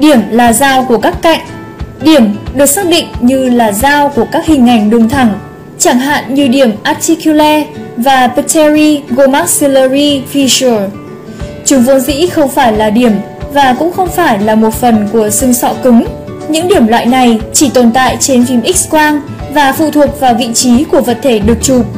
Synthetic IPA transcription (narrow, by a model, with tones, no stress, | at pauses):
ɗi˧˩əmlaː˨˩zaː˧wku˧˩əkaː˦˥kːa̰˧˨jŋ̟ | ɗi˧˩əmɗɨ˨˩ək̚saː˦˥k̚ɗḭ̈˧˨ŋ̟ɲɨ˧laː˨˩zaː˧wku˧˩əkaː˦˥k̚hï˨˩ŋ̟ʔa˨˧˩jŋ̟ɗɨ˨˩ŋt̪ʰa˧˩ŋ | t͡ɕa˧˩ŋɦa̰ː˧˨nɲɨ˧ɗi˧˩əmʔaː˨˧˥t̪i˧ku˧lɛ˧vaː˨˩pə˧tʰɛ˧ɹi˧ɣo˧ma˦˥si˧lə˧ɹi˧fi˧su˨˩ | t͡ɕʊ˨˦ŋ͡mvɔ˨˦nzḭ˧˥xə˧wŋ͡mfaː˧˩jlaː˨˩ɗi˧˩əm | vaː˨˩kʊ̰˧˥ŋ͡mxə˧wŋ͡mfaː˧˩jlaː˨˩mo˨˩t̚fə˨˩nku˧˩əsɨ˧ŋsɔ̰˧˨kɨ˨˦ŋ | ɲɨ̰˧˥ŋɗi˧˩əmlwa̰ː˧˨jna˨˩jt͡ɕi˧˩t̪o˨˩nt̪a̰ː˧˨jt͡ɕe˧nfi˧mʔi˦˥k̚skwaː˧n | vaː˨˩fṵ˧˨t̪ʰu˨˩ək̚vaː˨˩wvḭ˧˨t͡ɕi˨˦ku˧˩əvə̰˨t̚t̪ʰe˧˩ɗɨ˨˩ək̚t͡ɕu˨˩p̚